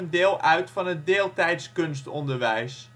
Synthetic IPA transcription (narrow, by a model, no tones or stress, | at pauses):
ndɪːlˠʔœɥtfɑnɦət̚deːlˠtɛjtskønstɔndəɹʋɛjs